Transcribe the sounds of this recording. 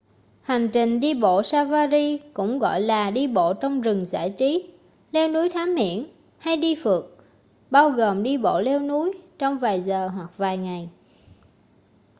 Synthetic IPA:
ha˨˩ŋ̟t͡ɕï˨˩ŋ̟ɗi˧ɓo̰˧˨saː˧vaː˧zi˧kʊ̰˧˥ŋ͡mɣɔ̰˧˨jlaː˨˩ɗi˧ɓo̰˧˨t͡ɕɔ˧wŋ͡mzɨ˨˩ŋza̰ː˧˩jt͡ɕi˨˦ | le˧wnu˨˦jt̪ʰaː˨˦mhḭ˧˨ən | ha˧jɗi˧fɨ˨˩ək̚ | ɓaː˧wɣoː˨˩mɗi˧ɓo̰˧˨le˧wnu˨˦jt͡ɕɔ˧wŋ͡mvaː˨˩jzəː˨˩ɦwa˨˩k̚vaː˨˩jŋa˨˩j

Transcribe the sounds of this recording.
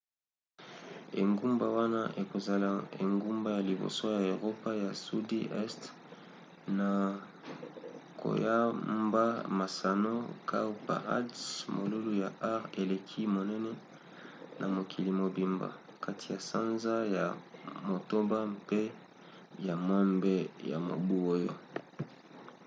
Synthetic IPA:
ḛ˨ŋɡu˦mba˨wa˦na˦ʔe˨ko˨za˨la˨ḛ˨ŋɡu˦mba˦ja˨li˨bo̰˨swa˦ja˨o˨ʁo˦pa˦ja˨su˦de˦ʔɛ˦st | na˨ | kʰo̰˨ja˦mba˦ma˨sa˨no˦kʰa˦u˦pa̰˨a̰˦dsmo˨lu˦lu˦ja˨ʔa˦ʁe˨le˨kʰi˦mo˨nɛ˦nɛ˦ | nʔa˨mo˨kʰi˨li˨mo˨bi˨mba̰˨ | ka˦tʰi˨ja˨sa˦nza˦ja˨mo˨to˦ba˦mpe˦ | ja˨mɔ˦mbɛ˦ja̰˨mo̰˨bu˦o˦jo˦

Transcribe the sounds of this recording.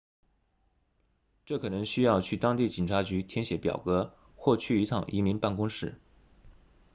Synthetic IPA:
ʈ͡ʂɤ˥˩kʰɤ˨˩nɤ˧˥ŋɕy˥jɑ˥˧ʊt͡ɕʰy˥˩t̪ɑ˥ŋt̪i˥˩t͡ɕi˨˩nʈ͡ʂʰa˧˥t͡ɕy˧˥t̪ʰjɛ˥nɕjɛ˧˥pjɑ̰˨˩ʊkɤ˧˥ | xwɔ˥˧t͡ɕʰy˥˩i˧˥t̪ʰɑ˨˩ŋʔi˧˥mi˧˥ŋpa˥˩nkʊ˥ŋʂɻ̩˥˩

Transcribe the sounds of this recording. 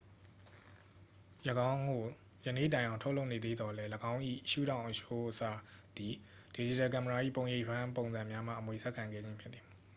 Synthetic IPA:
jəɡã˦ʊ̃ŋɡo˨ | jə˨nḛ˦˨tã˨ɪ̃ʔã˨ʊ̃tʰo˦ʔlo˦ʊʔne˨d̪ðḛ˦˨d̪ɔ˨lɛ˦ləɡã˦ʊ̃ʔḭ˦˨ʔəʃṵ˦˨ɾã˨ʊ̃ʔəʃo˦ʔəsa̰˦˨d̪̥i˨ | d̥e˨d͡ʑi˨tɛ˨k̬a˨mə˨a˨ʔḭ˦˨põ˨ʊ̃je˦˨ʔpʰã˦põ˨ʊ̃nzã˨mja˦m̥ä̰˦˨ʔəmwe˨sʰɛ˦ʔkʰːã˨ŋɡɛ̰˦˨d͡ʑɪ̃˦mpʰɪ˦t̪t̪i̥˨

